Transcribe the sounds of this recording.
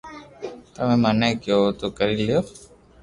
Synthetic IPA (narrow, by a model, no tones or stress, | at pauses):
t̪əmẽmanəkjot̪okəɾilijoː